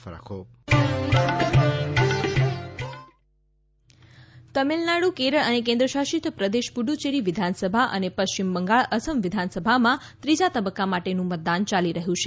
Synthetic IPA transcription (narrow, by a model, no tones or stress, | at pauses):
kʰo | t̪əmelnaɽukeɾəɭənek̬ẽnd̪ɾəʃaʃit̪pɾəd̪eʃpuɖut͡ʃeɾiʋɪd̪ʱansəbʱaʔə̰nepəʃt͡ɕimbəŋɡaɭəsəmʋɪd̪ʱansəbʱamã | t̪ɾid͡ʒat̪əbəkːamaʈenũmət̪̚d̪ant͡ʃaliɾəɦjũt͡ʃʰe